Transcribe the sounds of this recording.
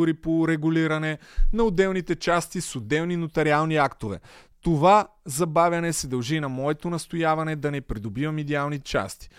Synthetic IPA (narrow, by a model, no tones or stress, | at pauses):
uɾipoɾɛɡʊliɾɐnɛnɐʊd̪ɛlˠnit̪ɛt͡ʃast̪isod̪ɛvninot̪ɐɾialˠniakt̪ovɛ̰t̪ovazɐbavʲjɐnɛsɛd̪ɐlˠʒinɐmɔɛt̪onɐst̪ojavɐnɛd̪ɐnɛpɾid̪obivɐmɛd̪ialˠnit̪ɛt͡ʃa̰st̪i̥